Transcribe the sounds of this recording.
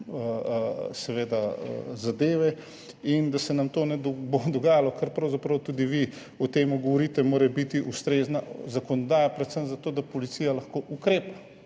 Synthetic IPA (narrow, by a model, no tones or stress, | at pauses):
əsɛʋeːd̪aə̰zad̪eːʋɛ | ind̪asɛnamt̪oːnɛd̪bod̪ɔɡaːjalɔkɐɾpɾɐwzapɾɐwt̪uːd̪iʋi | ɔt̪eːmuɡɔʋɔɾiːt̪ɛmoːɾɛbit̪iʔust̪ɾeːznazakɔnɔd̪aːjapɾɛt̪səmzat̪oːd̪apɔlit̪siːjalɐxkoːʔukɾeːpa